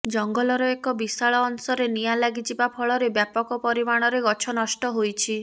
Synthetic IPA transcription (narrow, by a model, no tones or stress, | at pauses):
d͡ʒɔŋɡɔlɔɾɔekɔbisaɭɔːnsɔɾenijalaɡit͡ʃibapʰɔɭɔɾebjapɔkɔpɔɾimaɽ̃ɔɾeɡɔt͡ʃʰɔnɔsʈɔɦojt͡ʃʰi